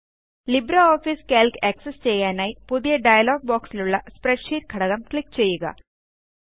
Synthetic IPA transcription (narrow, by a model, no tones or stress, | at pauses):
libɾɐoːfiːskeːlkɐksest͡ɕejːaːnaːjpuðijɐɖɐjɐloːɡ̚boːksiluɭːɐspɾeɖʂiːɾkʰɐɽɐɣɐmkɭik̚ːt͡ɕejːuɣɐ̰